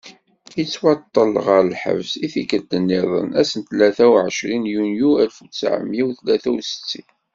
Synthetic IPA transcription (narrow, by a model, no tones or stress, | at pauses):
jət͡sːwɑt̪ˤːəlʁəɾəlħə̰vsiθikəd̪ənːɪðˤə̰næsənt̪læθæwʕəʃɾinjunjuælfut͡sːʕə̰mːjiwθlæθæwsə̥t͡sːi